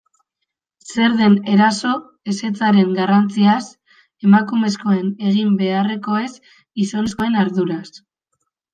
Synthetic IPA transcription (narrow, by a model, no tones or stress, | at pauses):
se̞ɾðe̞ne̞ɾaso̞ | e̞se̞t͡saɾe̞ŋɡarant͡sias | e̞makume̞sko̞e̞ne̞ɣ̞imbe̞are̞ko̞e̞s | iso̞nesko̞e̞naɾðuɾas